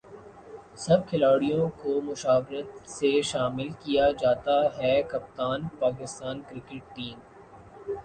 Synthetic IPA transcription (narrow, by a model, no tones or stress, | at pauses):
sɐb̚kʰɪlaːɽijõkomʊʃaːʋɾət̪seʃaːmɪlkijad͡ʒaːt̪aɦɛkɐp̚t̪aːnpaːk̬ɪst̪aːnkɾɪkeʈ̚ːiːm